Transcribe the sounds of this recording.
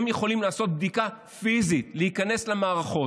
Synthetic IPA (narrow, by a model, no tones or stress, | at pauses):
mje̞χo̞limlaːso̞t̪̚b̚d̪ika | fizitlehikane̞slemaːʁaχo̞